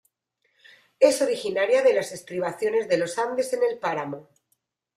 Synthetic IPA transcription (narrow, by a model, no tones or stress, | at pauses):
e̞so̞ɾixinaɾjaðe̞lase̞st̪ɾiβ̞aθjo̞ne̞zðe̞lo̞sand̪e̞se̞ne̞lpaɾamo